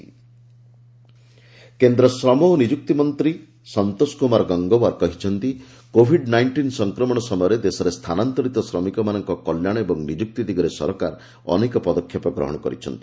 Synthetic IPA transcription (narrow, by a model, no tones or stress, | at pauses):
kend̪ɾɔsɾɔmoɦnid͡ʒuk̚t̪imɔnt̪ɾi | sɔnt̪oskumaɾɡɔŋɡɔwaɾkɔɦit͡ʃʰɔnt̪i | kobʱiɖnajɳʈinsɔŋkɾɔmɔɽ̃ɔsɔmɔjɔɾed̪esɔɾest̪ʰanant̪ɔɾit̪ɔsɾɔmikɔmanɔŋkɔkɔljaɽ̃ebɔŋnid͡ʒuk̚t̪id̪iɡɔɾesɔ̰ɾɔkaɾ | ɔ̰nekɔpɔd̪ɔkʰːjɔpɔɡɾɔ̰ɦɔ̰ɽ̃ɔkɔɾit͡ʃʰɔnt̪i̥